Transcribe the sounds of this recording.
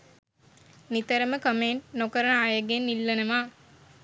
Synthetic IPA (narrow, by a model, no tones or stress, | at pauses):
nit̪əɾəməkəmeɳʈnokəɾənajəɡenːilːɐnɐmaː